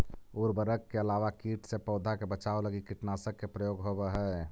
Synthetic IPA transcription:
uɾbəɾəkːeəlaʋakiʈsepɔʊd̪ʱakebət͡ʃaoləɡikiʈnasəkːepɾəjoːɡɦobeɦɛ

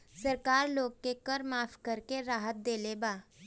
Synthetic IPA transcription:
səɾkaɾloɡ̚kekəɾmafkəɾkeɾaɦət̪̚d̪eleba

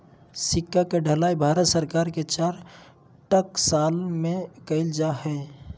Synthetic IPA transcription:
sɪkːakeɖʱəlaːibʱaːɾət̪səɾkaːɾket͡ʃaːɾ | ʈəksaːlmẽkəɪld͡ʒahɛː

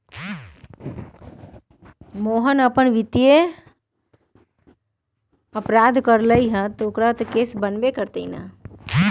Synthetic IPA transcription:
moːɦənəpənʋɪt̪ije | əpɾaːd̪ʱkəɾləiɦət̪oːkɾat̪keːsbənbekəɾt̪əina̰

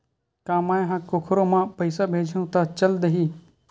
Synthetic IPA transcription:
kaːmaːẽɦãkʊkʰɾõmãpɐɪsabʱeːd͡ʒʱũt̪at͡ʃɐld̪əɦiː

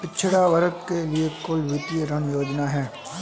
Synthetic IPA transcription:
pɪtːʃʰɽaʋɐɾəkkeliekoːiʋɪt̪ijəɾənjoːd͡ʒnaɦɛː

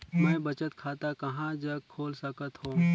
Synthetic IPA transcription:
mɛ̃ːbɐt͡ʃət̪kʰaːt̪akɐɦãd͡ʒɐkʰoːlsɐkət̪ɦõː

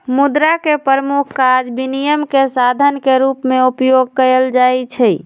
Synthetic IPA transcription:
mud̪ɾakepəɾəmukʰkad͡ʒbinijəmkesad̪ʱənkeɾupmeupjoɡ̚kəɾəld͡ʒajt͡ʃʰɛ

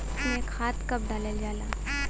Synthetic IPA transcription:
iekhaːt̪kɐp̚ɖaːləld͡ʒaːlaː

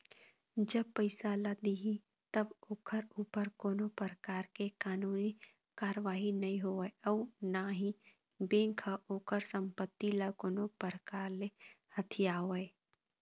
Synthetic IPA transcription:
d͡ʒəb̚pəɪsalad̪iɦĩ | t̪əboːkʰəɾuːpəɾkoːnopəɾəkaːɾkekaːnuːni | kaːɾəʋaːɦinɐĩɦoeɔːnaɦĩ | bẽːŋkʰaʔoːkəɾsə̃mpət̪ːilakoːnopəɾəkaːɾle | hət̪ʰijaːoe

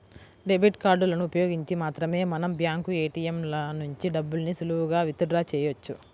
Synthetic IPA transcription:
ɖe̞bʱiʈkaːɾɖulɐnuːpɐjo̞ːɡiɲt͡ʃimaːt̪ɾɐme̞ːmɐnɐmbjaːŋkueːʈijemlɐnuɲt͡ʃiɖɐbːulɐnisuluɦuɡaːʋit̪uɖɾaːt͡ʃɛːjot͡ʃːu

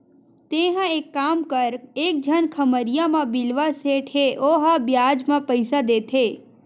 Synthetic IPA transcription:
t̪eɦãekːamkəɾek̚d͡ʒʱənkʰəməɾijamãbilʋaseʈʰeʔoɦabjad͡ʒmãpəjsad̪et̪ʰe

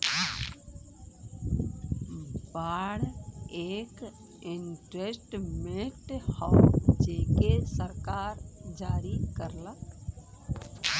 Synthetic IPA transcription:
baːɽeːk | ɪɳʈɾesʈmeʈhəd͡ʒekesəɾkaːɾd͡ʒaːɾikəɾlək

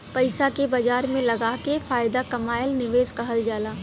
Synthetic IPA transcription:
pɐɪsakebɐd͡ʒaːɾmẽlɐɡaːkefaːjd̪akɐmaːjəlnɪʋeːzkɐɦɐld͡ʒaːlaː

